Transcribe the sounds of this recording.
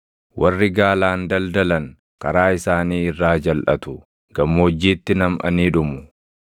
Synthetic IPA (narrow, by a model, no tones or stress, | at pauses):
wʔɐrːɪɡaːlaːnd̪ɐld̪ɐlɐŋ | kɐɾaːɪsaːniːɪrːaːd͡ʒɐlʔɐt̪ʊ | ɡ̥ɐmːoːd͡ʒːiːt̪ːɪnɐmɐ̰niːᶑʊmʊ